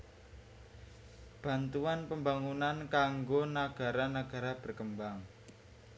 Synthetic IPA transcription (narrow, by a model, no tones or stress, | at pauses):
b̥ä̤nt̪uanpəmbaŋunankaŋɡonaɡ̥a̤ɾanaɡ̥ä̤ɾab̥ə̤rkəmbaŋ